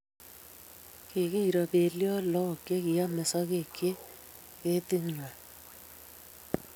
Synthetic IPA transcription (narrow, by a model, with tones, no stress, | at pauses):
ke˨ɣe˦i˨ɾa˨βe˨ljɔ˦lɔ˦˨ke˦ɣi˨a˦me˨sɔ˦ɣe˨kje˦ | ɣe˦te˦ɲwa˨